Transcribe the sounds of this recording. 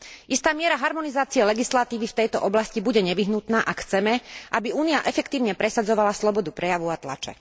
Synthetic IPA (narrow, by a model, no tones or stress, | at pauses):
ʔist̪aːmɪɛɾaɦaɾmɔnizaːt͡siɛlɛɡislat̪iːʋift̪ɛjt̪ɔʔɔblascibuɟɛɲɛʋiɦnut̪naːʔakxt͡sɛmɛʔabiuːniaʔɛfɛkt̪iːʊɲɛpɾɛsad͡zɔʋalaslɔbɔd̪upɾɛjaʋuat̪la̰t͡ʃɛ̰